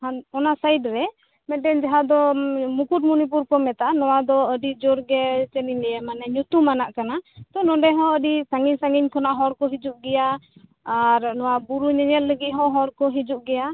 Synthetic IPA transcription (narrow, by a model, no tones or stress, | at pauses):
haɔnasajdɾɛ | mɛʈɛɲd͡ʒaɦad̪ɔmukuʈ̚munip̬uɾkɔmɛt̪aanɔwad̪ɔəɖid͡ʒɔɾɡɛt͡ʃɛnilɛjɛmanɛɲut̪umanaʔkanat̪ɔnɔɖɛɦɔ̃əɖisaŋɡiɲsaŋɡiɲkʰɔnaʔɦɔɾkɔɦid͡ʒuʔ̚ɡɛjaː | ɾnɔwabuɾuɲɛɲɛlləɡit̪̚ɦɔ̃ɦɔɾkɔɦid͡ʒuʔ̚ɡɛja